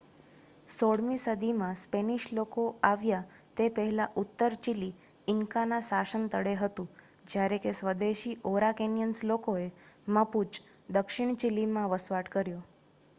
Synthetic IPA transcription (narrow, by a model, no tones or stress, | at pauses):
soɽmisəd̪ʱimãspeniʃlokoaʋja | t̪epəɦɛlaʔut̪ːəɾt͡ʃili | ɪŋkanãsaʃənt̪əɽeɦət̪ũ | d͡ʒjaɾekesʋəd̪eʃiʔoɾakenjənslokoeməput͡ʃd̪əkʃɪɳ̃t͡ʃilːimãʋəsʋaʈkəɾjo